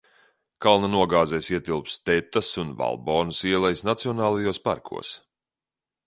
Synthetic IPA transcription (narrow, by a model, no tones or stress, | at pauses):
kalˠnanuɔɡaːzɛjsiɛt̪ilˠpst̪ɛt̪ːasunva̰lˠbɔːnusiɛlˠɛjsnat̪siɔnaːlˠajuːspa̰ɾkʰṵɔəs